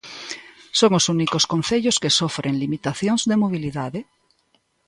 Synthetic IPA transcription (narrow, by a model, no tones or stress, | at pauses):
soŋosunikoskõnθeʎoskesofɾʔeŋlimit̪aθjoŋzðemoβ̞iliðaðe